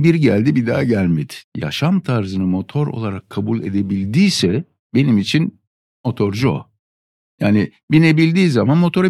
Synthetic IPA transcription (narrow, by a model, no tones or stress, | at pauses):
biɾɟælʲd̪ibid̪a̰ːɟælʲmid̪̥ja̰ʃamt̪ʰaɾzɯnɯmo̞t̪ʰo̞ɾo̞̰lˠaɾakʰːabulʲˠe̞̰d̪e̞bilʲd̪iːsɛ | be̞nimit͡ʃʰin | mo̞t̪ʰo̞ɾd͡ʒo̰ | jaːni | binebilʲd̪iːzamanmo̞t̪ʰo̞ɾe